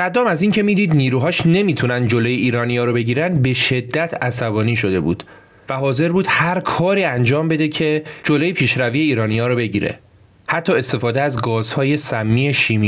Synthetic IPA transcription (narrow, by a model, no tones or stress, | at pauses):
sæd̪ɒːmæziːŋcʰe̞miːd̪iːd̪niːɾuːɦɒːʃne̞miːt̪ʰunænd̪d͡ʒolo̞jeiːɾɒːnijɒːɾobe̞ɟiːɾænd̪be̞ʃe̞d̪ːæt̪ʰæsæbɒːniːʃod̪e̞bṵːd̪̥ | væɦɒːze̞ɾbuːd̪̥hæɾkʰɒːɾiːænd͡ʒɒːmbe̞d̪e̞cʰe̞d͡ʒolojepʰiːʃɾævije̞iːɾɒːnijɒːɾobe̞ɟiːɾḛ | hæt̪ʰːɒːe̞st̪e̞fɒːd̪eæzɡɒːz̥hɒːje̞sæmːiːe̞ʃiːmi